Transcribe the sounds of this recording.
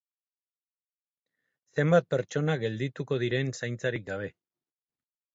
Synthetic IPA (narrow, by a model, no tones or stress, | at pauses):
se̞mbat̪̚pe̞ɾt͡ʃo̞naɡe̞ld̪it̪uko̞ð̞iɾe̞nsajnt͡saɾik̚ɡaβ̞e̞